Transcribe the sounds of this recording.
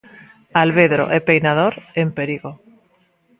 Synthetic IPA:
alβeðɾo̰ʔɛpejnaðoɾempeɾiɣo

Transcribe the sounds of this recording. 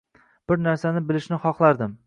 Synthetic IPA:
b̥ɪɾnaɾsanɪbɪlɪʃnɪχɒχlˠaɾd̪ɪm

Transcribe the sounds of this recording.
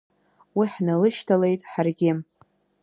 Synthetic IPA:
wiħnalɨʃtʰale̞jtʼħarɡʲɪ

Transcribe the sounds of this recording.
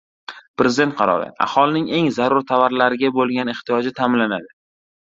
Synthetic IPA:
pɾezɪd̪e̞nt̪̚qʰɑɾɒ̰ɾɪ̰a̰hɒlˠɪnɪŋe̞ŋzaɾʊɾt̪ʰavaɾlaɾɪɡʲabolˠɡʲaneχt̪ʰijɒd͡ʒɪt̪ʰamɪnlːanad̪ɪ

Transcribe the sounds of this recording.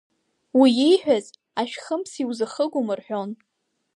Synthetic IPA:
wijejħʷᶣaz | aʃᶣχəmsiwzɨχəɡʷʊmɨrħʷᶣo̞n

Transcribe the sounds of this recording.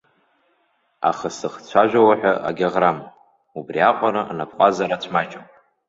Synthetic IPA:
a̰χəsɨχt͡ɕʷʰaʒᶣʷawaħʷᶣaʔa̰ɡʲaʁram | ubriaqʷʼaɾaʔanapʰʼqʷʼazaɾat͡ɕʷʰmat͡ʃʼapʼ

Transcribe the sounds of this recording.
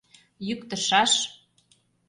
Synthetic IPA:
jykt̪ə̆ʃɑʃ

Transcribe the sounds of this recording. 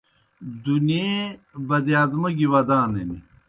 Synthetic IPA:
d̪unebɐd̪ijaːd̪mɐɡiwɐd̪aːneni

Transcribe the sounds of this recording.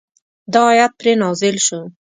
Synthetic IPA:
d̪ɑːjat̪̚pɾenɑzɪlʃu

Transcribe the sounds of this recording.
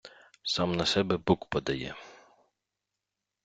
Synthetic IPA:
sɑmnɐsɛbɛbukpɔd̪ɐjɛ̰

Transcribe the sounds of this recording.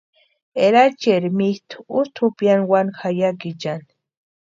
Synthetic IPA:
eɾat͡ʃeɾmit̪ust̪ʰupjanwanxajakit͡ʃan

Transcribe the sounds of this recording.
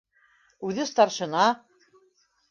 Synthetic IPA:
ʉðɘst̪ɑɾʃɤ̆nɑ

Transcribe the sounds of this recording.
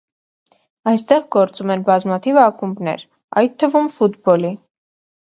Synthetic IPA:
ɑjst̪ɛʁɡɔɾt͡sumɛnbɑzmɑt̪ʰivɑkumbnɛ̰ɾ | ɑ̰jt̪ʰːəvumfut̪bɔli

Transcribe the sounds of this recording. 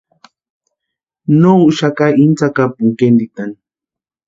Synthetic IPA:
nouʃakaʔint͡sakapuŋkend̪it̪an

